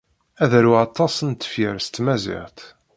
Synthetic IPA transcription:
æðæɾuɑt̪ˤːɑsənt̪ːə̥fiɾst̪mæzɪ̰ʁt̪

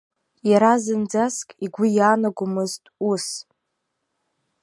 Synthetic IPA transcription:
jaɾazɨnd͡zaskʼiɡʷʊjaːnaɡʷʊmɨztʼus

